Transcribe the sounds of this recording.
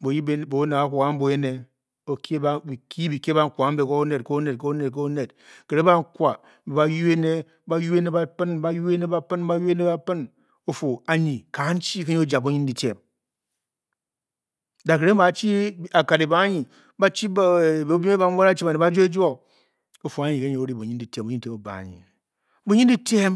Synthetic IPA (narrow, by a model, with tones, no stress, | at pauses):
bo˨ji˦bbo˨˦ne˨a˦kʷo˨ka˦m̩˦bo˨je˦ne˨ | o˨ki˦bbi˨ki˦bi˨ke˦ba˨ŋ̩˦kʷa˨˦m̩˦be˨ko˦o˦ne˨tko˦o˦ne˨t̚ko˦o˦ne˨t̚k̬o˦ne˨t̚ | ke˨ɾe˦ba˦ŋ̩˦kʷa˨˦ | be˨a˨ju˦e˦ne˦ | ba˦ju˦e˦ne˦ba˦pɨ˦n˦ba˦ju˦e˦ne˦ba˦pɨ˦n˦ba˦ju˦e˦ne˦ba˦pɨ˦n | o˨fo˨a˨ɲi˨ka˨˦n̩˦t͡ʃi˦ke˦ɲi˦o˦d͡ʒa˨bu˦ɲi˦n˦di˨tḛ˨m | da˨ke˨ɾe˦ba˨˦t͡ʃi˦a˨ka˨ɾi˨ba˦ɲi˨ | ba˦t͡ʃi˦bo˦bi˦e˦ba˦wo˦ɾa˦t͡ʃi˦ba˨ne˨ba˦d͡ʒo˦e˦d͡ʒo˦ | o˨fo˨a˨˦ɲi˨ke˦ɲi˨o˨˦ɾi˦bu˨ɲi˦n˦di˨te˦mbo˨˦te˦o˨ba̰˨a̰˨ɲḭ˨ | bu˦ɲi˦n˦di˦te˦m